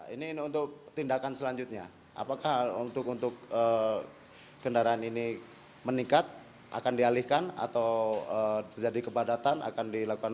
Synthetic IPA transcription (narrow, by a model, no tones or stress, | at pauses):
ḭninunt̪ʊk̚t̪indakansəlaɲd͡ʒut̪̚ɲa | a̰pakahunt̪ʊkunt̪ʊk̚ə | kːəndaɾaanini | mənikat̪̚ | ʔa̰kandialihkana̰t̪awət̪ərd͡ʒadikəpadat̪anʔa̰kandilakukan